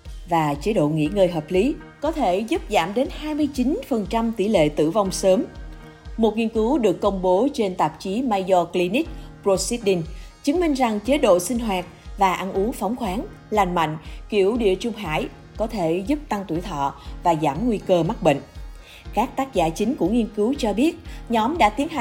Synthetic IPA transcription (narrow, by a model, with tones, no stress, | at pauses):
vaː˨˩t͡ɕe˨˦ɗo̰˧˨ŋḭ˧˥ŋəː˨˩jɦəː˨˩p̚li˨˦ | kɔ˨˦t̪ʰe˧˩zu˦˥p̚zaː˧˩mɗe˨˦nhaː˧jmɨ˧əjt͡ɕi˨˦nfə˨˩nt͡ɕa˧mt̪ḭ˧˩lḛ˧˨t̪ɨ̰˧˨va˧wŋ͡msəː˨˦m | mo˨˩t̚ŋi˧ənkɨ˨˦wɗɨ˨˩əkːə˧wŋ͡mɓo˨˦t͡ɕe˧nt̪a˨˩p̚t͡ɕi˨˦maː˧jzɔ˧kli˧ni˦˥k̚pɹo˧si˦˥t̚ɗi˧ŋt͡ɕɨ˨˦ŋmï˧ŋ̟za˨˩ŋt͡ɕe˨˦ɗo̰˧˨sï˧ŋ̟ɦwaː˨˩t̚vaː˨˩ʔa˧nʔu˨˦fa˨˦wŋ͡mxwaː˨˦n | la˨˩nma̰˧˨jŋ̟ki˧˩əwɗḭ˧˨ət͡ɕʊ˧ŋ͡mɦa̰ː˧˥˨j | kɔ˨˦t̪ʰe˧˩zʊ˦˥p̚t̪a˧ŋt̪ḭ˧˩əjt̪ʰɔ̰˧˨vaː˨˩zaː˧˩mŋwi˧kəː˧ma˦˥k̚ɓḛ˧˨ŋ̟ | kaː˦˥k̚t̪aː˦˥k̚za̰ː˧˨t͡ɕï˨˦ŋ̟ku˧˩əŋi˧ənkɨ˨˦wt͡ɕɔ˧ɓi˦˥ət̚ɲɔ˨˦mɗa̰ː˧˥t̪i˨˦ənɦa˨˩